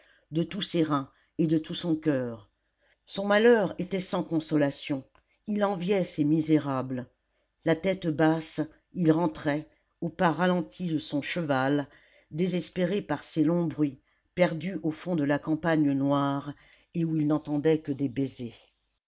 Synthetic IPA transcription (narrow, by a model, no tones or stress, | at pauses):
d̪ət̪useʁɛ̃ | ed̪ət̪ʰusɔ̃kʲœːʁ | sɔ̃malœʁet̪ɛsɑ̃kɔ̃sɔlasjɔ̃ | ilɑ̃vjɛsemizeʁabl | lat̪ɛt̪bas | ilʁɑ̃t̪χɛ | opaʁalɑ̃t̪ʰid̪əsɔ̃ʃəval | d̪ezɛspeʁepaʁselɔ̃bʁɥi | pɛʁd̪yʔofɔ̃d̪əlakɑ̃paɲənwaʁ | euilnɑ̃t̪ɑ̃d̪ɛkəd̪ebeze